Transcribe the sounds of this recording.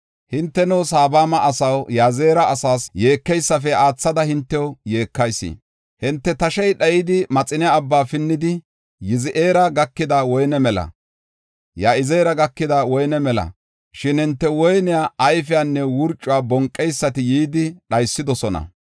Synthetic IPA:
hɪnt̪ːɛnɛwsaːbaːmɐʔɐsɐwjaːzeːɾɐːsaːsjeːkːɛjsːɐfɛaːt͡sːɐd̪ɐhɪnt̪ːɛwʊje̞ːkːɐjsːḭ | hɪnt̪ːɛt̪ɐʃɛjɗɐjɪd̪ɪmɐt͡sʼɪnjaːbːaːfɪnːɪd̪ɪ | jɪzɪʔeːɾɐɡɐkːɪd̪ɐwɔjnɛmɛlɐ̰ | jaːɪzeːɾɐɡɐkːɪd̪ɐwɔjnɛmɛlɐ̰ | ʃɪnhɪnt̪ːɛwɔjnɪjaɐjfɪjaːnːɛwʊɾt͡ʃʼːʊwaːbɔŋkʼːɛjsːɐt̪ɪjiːd̪ɪɗɐjsːɪd̪ɔsɔnɐ̰

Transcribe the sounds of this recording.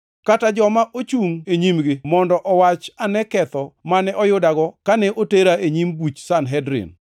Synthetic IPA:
katad͡ʒɔmaʔot͡ʃuŋeɲimɡɪmɔndɔʔɔwat͡ʃanɛkɛt̪ɔmanɛʔɔjʊdaɡɔkanɛʔoteɾaeɲimbut͡ʃsanɦɛdɾɪ̰n

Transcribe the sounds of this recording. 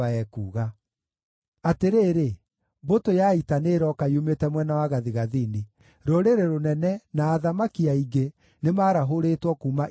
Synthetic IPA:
aɛkuːɣa | ateɾeːɾe | botojaitaneːɾɔkajumetɛmwɛnawaɣaðiɣaðini | ɾoɾeɾeɾonɛnɛnaːðamakiaiɡe | nemaːɾaɦoɾetwɔkuːma

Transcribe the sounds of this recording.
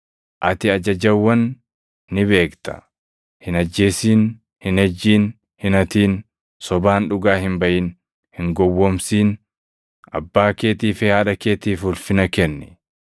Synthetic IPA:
ʔɐt̪ɪɐd͡ʒɐd͡ʒɐwːɐnː | ɪβe̞ːkt̪ɐ̥̰ | hɪnɐd͡ʒːe̞ːsiːn | hɪnhɛd͡ʒːiːn | hɪnɐt̪iːn | sɔbaːnᶑʊɡaːɦɪmbɐʔɪn | hɪŋɡɔwːɔmsiːn | ɐbːaːkeːt̪iːfɪhaːᶑɐke̞ːt̪iːfʊlfɪnɐkɛnːɛ

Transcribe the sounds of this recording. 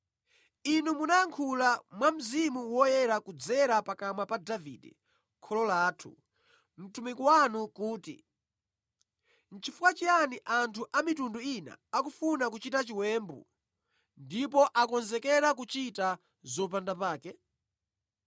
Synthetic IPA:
inumunaaŋkʰulamwam̩zimuwɔjɛɾakud͡zɛɾapakamapadavḭːdɛ̰ | kʰɔlɔlaːtʰṵ | m̩tumikuwanukuːtḭ | n̩t͡ʃifukwat͡ʃianiʔantʰuʔamitunduina̰akufunak̬ut͡ʃitat͡ʃiwɛːmbṵ | ndip̬ɔʔakɔnzɛkɛɾakut͡ʃita | zɔpandapaːkɛ

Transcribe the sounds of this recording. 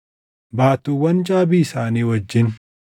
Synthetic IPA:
baːt̪uːwɐnd͡ʒʼaːbiːɪsaːniːwɐd͡ʒːɪn

